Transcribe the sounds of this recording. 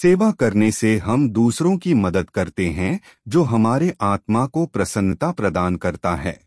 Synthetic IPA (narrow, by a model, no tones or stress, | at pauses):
seːʋakɐɾneseɦɐmd̪uːsɾõkimɐd̪əd̪kɐɾt̪eɦɛ̃ | d͡ʒoːɦɐmaːɾeʔaːt̪makopɾɐsə̃nt̪apɾɐd̪aːnkɐɾt̪aɦɛ̰ː